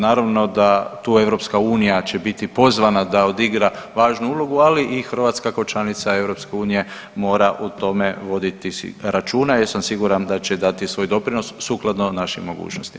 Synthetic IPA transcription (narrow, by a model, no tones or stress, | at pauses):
naːɾaʋno̞d̪at̪uːe̞ʋɾo̞pskauːnijat͡ɕe̞bit̪ipo̞zʋanad̪aod̪iɡɾaʋaːʒnuuːlˠo̞ɡualiʔixr̩ʋat̪skakot͡ʃanit̪sae̞ʋɾo̞pske̞uːnije̞ | mo̞ːɾaʔut̪o̞me̞ʋo̞d̪it̪ḭɾat͡ʃuːnajasamsiɡuɾand̪at͡ɕe̞d̪at̪isʋo̞ːjd̪o̞pɾino̞sːuklˠad̪no̞naʃimːo̞ɡṵːt͡ʃnost̪i̥m